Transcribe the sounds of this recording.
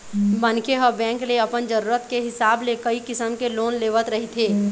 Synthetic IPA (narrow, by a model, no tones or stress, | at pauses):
bənkeɦɔːɾbɛ̃ːŋkleɐpənd͡ʒəɾuːɾət̪keɦɪsaːblekəikɪsəmkeloːnleːʋət̪ɾɐɦit̪ʰeː